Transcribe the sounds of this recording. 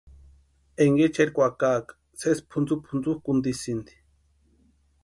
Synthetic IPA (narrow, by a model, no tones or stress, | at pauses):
eŋɡet͡ʃeɾkʷakaːkḁ | sespʰund͡zupʰund͡zuhkund̪isind̪i̥